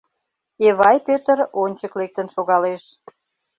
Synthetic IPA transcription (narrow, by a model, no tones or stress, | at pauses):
eβɑjpøt̪əɾonʲt͡ɕəklek̚t̪ənʃoɣɑleʃ